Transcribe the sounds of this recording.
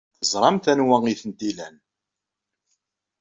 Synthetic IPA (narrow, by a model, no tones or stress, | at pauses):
θəzˤɾˤɑmθænwæŋiθənt̪ilæn